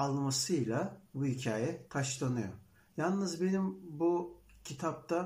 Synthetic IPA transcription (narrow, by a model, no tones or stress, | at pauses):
alˠmasɯjlˠabuhicʰaːjɛt̪ʰaʃlˠanɯjo̰ | jalˠnɯzbe̞nimbucʰit̪ʰap̚t̪ʰa